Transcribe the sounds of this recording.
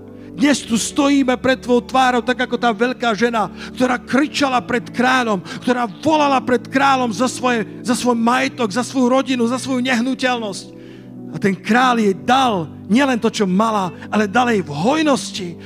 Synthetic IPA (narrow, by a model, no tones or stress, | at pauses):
d̪ɲɛst̪ust̪ɔjiːmɛpɾɛt̪ːʋɔʊt̪ʋaːɾɔʊt̪aɡakɔt̪aːʋɛʎkaːʒɛnakt̪ɔɾaːkɾit͡ʃalapɾɛt̪kɾaːlɔmkt̪ɔɾaːvɔlalapɾɛt̪kɾaːlɔmzasʋɔjɛ | zasʋɔjmajɛt̪ɔɡzasʋɔjuɾɔɟinuzasʋɔjuɲɛɦnucɛlnɔsc | at̪ɛnkɾaːljɛd̪al | ɲɪɛlɛnt̪ɔt͡ʃɔmalaʔalɛd̪alɛjvɦɔjnɔsci